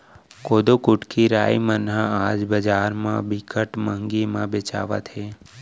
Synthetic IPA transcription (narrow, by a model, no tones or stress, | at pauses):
koːd̪okʊʈkiɾaimənɦãad͡ʒbəd͡ʒaːɾmã̰bikʰəʈməŋɡimãbet͡ʃa̰ʋa̰t̪ʰe